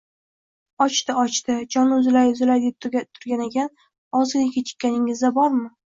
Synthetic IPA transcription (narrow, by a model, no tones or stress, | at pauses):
ɒt͡ʃt̪ɪɒt͡ʃt̪ɪd͡ʒɒnʊzɪlajʊzɪlajd̪ep̚t̪ʰʊt̪ʰʊɾɡʲanekʲʰan | ɒzɪlɪkʲʰɪt͡ʃʰɪ̥kʲːanɪŋɪzd̪abɒɾmɪ